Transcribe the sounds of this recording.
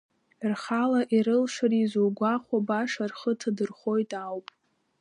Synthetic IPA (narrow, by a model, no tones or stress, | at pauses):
rχalaʔiɾɨlʂarizuɡʷaχʷabaʂarχətʰadɨrχo̞jtʼawpʼ